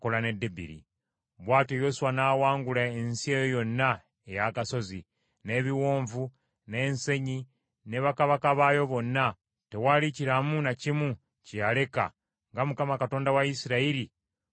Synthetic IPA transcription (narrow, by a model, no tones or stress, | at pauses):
kolane̞dːebḭɾḭ | βwaːtojo̞suwanaːwaːŋɡulaensie̞ːjojo̞nːa | e̞jakaso̞zi | ne̞βiwo̞ːɱvu | ne̞ːnse̞ɲi | ne̞βakaβakaβajo̞βo̞nːa | te̞waliciɾamunacimu | cijale̞ka̰ | ŋɡamukamakato̞ːndawaisiɾaiɾi